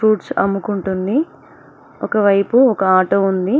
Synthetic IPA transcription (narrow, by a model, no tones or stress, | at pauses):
ɾuːʈsɐ̰mːukuɳʈund̪i | ɔkɐʋɐjpuɔkɐaːʈoːund̪i